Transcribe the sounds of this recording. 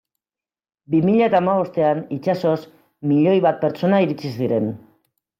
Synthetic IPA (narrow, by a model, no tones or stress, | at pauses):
bimiʎaet̪aːmaβo̞st̪e̞anit͡ʃaso̞s | miʎo̞jβat̪̚pe̞ɾt͡ʃo̞naiɾit͡sisiɾe̞n